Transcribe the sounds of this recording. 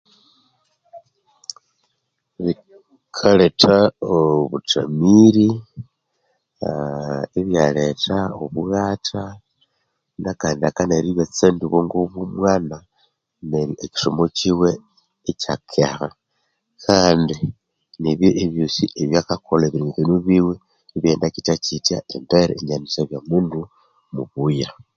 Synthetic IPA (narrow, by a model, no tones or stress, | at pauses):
βi | kʰaletʰaoβuta̰miɾi | iβjaletaoβuɣaːtʰa | nakaːndiakaneɾiβjot͡sendiβoŋɡoβumwaːna | neeki̥ʃomot͡ʃiwe̞ː | t͡ʃakʰeha | kʰaːndi | niβjoʔeβjosiʔeβjakakolaβiɾiːŋuvinuβiwe | iβje̞ːndakitacitjaembeɾḛeɲanisaβjamuːndu | muβuja